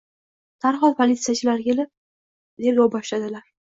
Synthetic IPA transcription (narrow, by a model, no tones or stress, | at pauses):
t̪ʰaɾχɒd̪pʰolʲit̪sɨjat͡ʃʰɪlaɾkʲʰe̞lɪp̚ | t̪ʰe̞ɾɡʲɒwbɒʃlad̪ɪlaɾ